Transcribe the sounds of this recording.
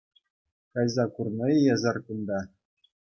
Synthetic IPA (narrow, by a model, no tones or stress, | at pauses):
kɑjzɑkurnɤ̆jjɑzɑrkund̪ɑ